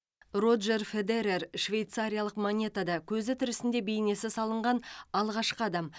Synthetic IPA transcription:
rod̪ʒe̞rfe̞d̪eɾe̞rʃvʲe̞jt̪saɾʲijalˠəqmonʲe̞t̪ad̪ɑkʲʰɵzɪt̪ʰɪɾɪsɪnd̪e̞bejne̞sɪsɑlˠəɴʁɑnɑlˠʁɑʃqəɑd̪ɑm

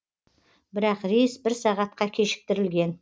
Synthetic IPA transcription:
bɪɾɑqɾijsbɪɾsɑʁɑt̪̚qɑkʲʰe̞ʃɪ̥k̚t̪ɪɾɪlɡʲe̞n

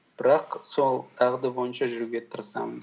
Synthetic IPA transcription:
b̥ɪɾɑqso̞lˠt̪ʰɑʁd̪əbo̞jənʃɑʒʏɾɡʲe̞t̪ʰəɾsɑ̰məz

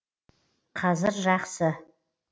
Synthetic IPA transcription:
qʰazɨrʒaχsɨ

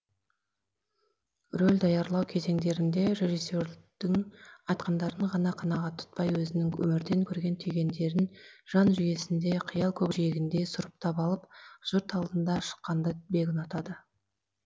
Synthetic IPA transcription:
rolʲd̪ɑjɑɾlˠɑwkʲʰe̞ze̞ŋd̪e̞ɾɪnd̪e̞ɾe̞ʒisːoɾd̪̥ɪŋɑjt̪̚qɑnd̪ɑɾəɴʁɑnɑqʰɑnɑʁɑt̪ʰːʊ̥t̪̚pɑjwɵzɪnɪŋwɵ̰mɪɾd̪e̞ŋkʲʰɵɾɡʲe̞nt̪ʰyjɡʲe̞nd̪e̞ɾɪnʒ̥ɑnʒʏje̞sɪnd̪e̞qʰəjɑlˠkʲʰɵpʒeɡʲɪnd̪e̞sʊɾəp̚t̪ʰɑpɑlˠəpʒ̥ʊɾt̪ɑlˠd̪ənd̪ɑʃə̥qːɑnd̪əbe̞ɡʲɪnɑt̪ɑd̪ə

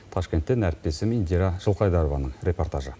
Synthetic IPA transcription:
t̪ʰɑʃkʲent̪ːɪnæɾɪp̚t̪e̞sɪmind̪iɾaʒəlˠqɑjd̪ɑɾovɑnəɴɾʲʔe̞po̞rt̪aʒə

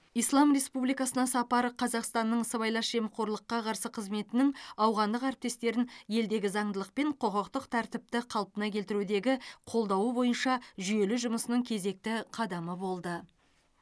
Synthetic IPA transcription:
ijslˠɑmɾe̞spublijkɑsənɑsɑpɑɾəqʰɑzɑqst̪ɑnːəɴəsəβɑjlˠɑʃʒ̥e̞mqʰo̞ɾlˠəqːɑqʰɑɾsəqʰəzme̞t̪ɪnɪŋɑwʁɑnd̪əqæɾɪp̚t̪e̞st̪e̞ɾɪnje̞ld̪e̞ɡʲɪzɑɴd̪əlˠəq̚pe̞ɴqʰoqəqt̪əqt̪ʰæɾt̪ɪp̚t̪ɪqʰɑlˠpənɑkʲʰe̞lt̪ɪɾud̪e̞ɡʲɪqʰo̞lˠd̪ɑwəbo̞jənʃɑʒʏje̞lɪʒʊməsənəŋkʲʰe̞ze̞k̚t̪ɪqʰɑd̪ɑməbo̞lˠd̪ə

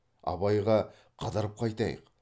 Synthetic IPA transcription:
ɑ̰βɑjʁɑ | qʰɑd̪ɑɾəp̚qʰɑjt̪ɑjə̰q

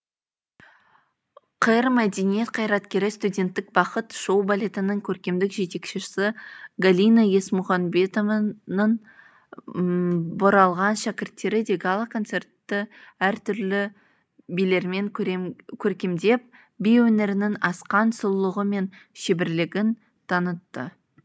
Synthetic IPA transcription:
qʰəjɾmæd̪e̞nijet̪̚qʰɑjɾɑt̪kʲe̞ɾɪst̪udʲe̞nt̪ːɪk̚bɑqət̪ʃo̞wbalʲe̞t̪ɪnəŋkʲʰɵɾkʲe̞md̪ɪkʒe̞t̪e̞kʃesɪɡalʲijnaje̞smʊχɑnbe̞t̪ovnəɴ | boɾɑlˠʁɑnʃækʲɪɾt̪ːe̞ɾɪd̪e̞ɡalˠakʰo̞nt̪se̞rt̪ːəæɾt̪ʰʏɾlɪ | bijle̞ɾme̞ŋkʲʰɵɾkʲe̞md̪e̞p̚ | bijwɵne̞ɾɪnɪŋɑsqɑnsəlˠlːˠəʁəme̞nʃebɪɾlɪɡʲɪn | t̪ʰɑnət̪ːə

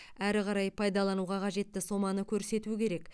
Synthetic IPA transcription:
æɾɪqɑɾɑjpʰɑjd̪ɑlˠɑnuʁɑqʰɑʒe̞t̪ːɪso̞mɑnəkʲʰɵɾse̞t̪uɪkʲʰe̞ɾe̞k

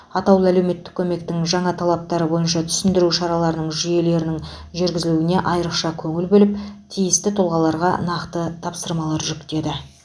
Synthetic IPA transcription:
ɑt̪ɑwlˠəælewme̞t̪ːɪ̥kʲʰɵme̞k̚t̪ɪŋʒɑɴɑt̪ʰɑlˠɑp̚t̪ɑɾəbo̞jənʃɑt̪ʰʏ̥sɪnd̪ɪɾuʃɑɾɑlˠɑɾənəɴʒʏje̞le̞ɾɪnɪŋ | ʒʏɾɡʲɪzɪluɪne̞ʔɑjəɾəqʃɑkʲʰɵŋɪlbɵlɪpt̪ʰijɪst̪ɪt̪ʰolˠʁɑlˠɑɾʁɑ̰nɑqt̪ət̪ʰɑpsəɾmɑlˠɑɾʒʏkt̪e̞d̪ɪ

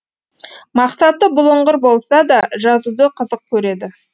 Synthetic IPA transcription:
mɑqsɑt̪ːəbʊlˠəɴʁəɾbo̞lˠsɑd̪ɑʒɑzud̪əqʰəzəq̚kʲʰɵɾe̞d̪ɪ

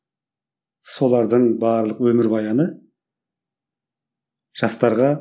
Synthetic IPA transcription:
so̞lˠɑɾd̪əɴbɑːɾlˠəqwɵmɪɾbɑjɑnə | ʒ̥ɑst̪ɑɾʁɑ

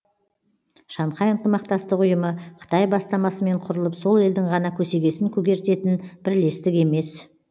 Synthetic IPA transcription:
ʃɑɴqʰɑjənt̪əmɑqt̪ɑst̪əqʊjəməqʰə̥t̪ɑjbɑst̪ɑmɑsəme̞ɴqʰʊɾəlˠəpso̞lˠe̞ld̪ɪŋʁɑnɑkʲʰɵse̞ɡʲe̞sɪŋkʲʰɵɡʲe̞ɾt̪e̞t̪ɪnb̥ɪɾle̞st̪ɪke̞me̞s

